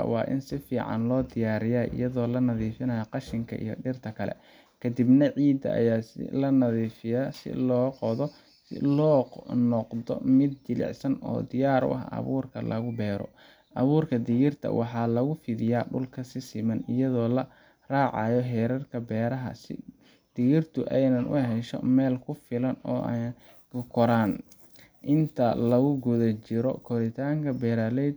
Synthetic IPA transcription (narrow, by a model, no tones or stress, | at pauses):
wɑ̰ːʔɪ̰nsɪfiːʕɑ̰nlɔːd̪ɪjaːɾɪjaʔɪ̰jɐðɔːlɐnɐðiːfɪnɐjɐqɑʃɪŋkʰɐ̰ʔḭjɔɖɪrt̪ʰɐkʰɐlɛ̰ | kʰɐd̪ɪbnɐʕiːd̪ɐ̰ʔɐ̰jaːsɪ̰lɐnɐðiːfɪjɐsɪ̰lɔːqɔðɔ | sɪ̰lɔːqnɔqd̪ɔ̰mɪd̪̚d͡ʒɪlɪ̰ʕsɐnɔ̰ːd̪ɪjaːɾʊ̰ʔɐ̰ɦɐ̰βuːrkʰɐlɐ̰ɣʊbɛːɾɔ̰ | ʔɐβuːrkʰɐd̪ɪɣɪrt̪ʰɐ̰wʔɑħɑːlɐɣʊfɪðɪjaːɖʊlkʰɐsɪsɪmɐnɪjɐðɔːlɐ | raːʕɑ̰jɔɦɛːɾɐrkʰɐbɛːɾɐɦɐ̰sɪ̰ | d̪̥ɪɣɪrt̪ʰʊʔɛjnɐnʔʊ̰ɦɛʃɔ̰mɛːlkʰʊfɪlɐnɔːʔ | kʊkʰɔɾaːn | ʔɪnt̪ʰɐlɐɣʊɡʊðɐt͡ʃɪɾɔ̰kʰɔɾɪt̪ʰaːŋkʰɐbɛːɾaːlɛd̪̚